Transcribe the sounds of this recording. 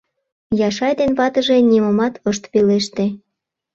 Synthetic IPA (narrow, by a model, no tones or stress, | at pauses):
jɑʃɑjd̪enβɑt̪ə̆ʒeniməmɑt̪əʃt̪peleʃt̪e